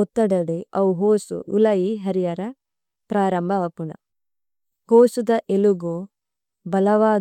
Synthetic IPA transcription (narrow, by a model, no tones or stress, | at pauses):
ɔt̪ːɐɽɐɽeɐuɦoːsṵulɐjiɦɐɾijɐɾɐ | pɾaːɾɐmbʱɐʋɐpunɐ̰ | hoːsud̪ɐʔeluɡu | bɐlɐʋaː